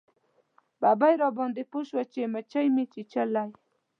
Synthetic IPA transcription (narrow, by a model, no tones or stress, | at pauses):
babajɾɑbɑnd̪epoʃwat͡ʃemat͡ʃajmit͡ʃit͡ʃalaj